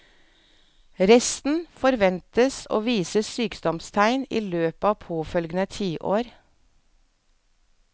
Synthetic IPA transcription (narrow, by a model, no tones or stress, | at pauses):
ɾɛst̪n̩fɔɾʋɛnt̪əso̰ːʋiːsəsyːkd̪ɔmst̪ʰæɪnḭːløːpəɑːʋpʰoːfœlɡənət̪ʰiːʔo̰ːɾ